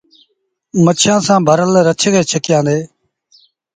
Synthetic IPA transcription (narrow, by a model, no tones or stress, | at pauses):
mət͡ʃʰãːsãːbʱəɾəlɾət͡ʃʰkeːt͡ʃʰəkɪjãːd̪eː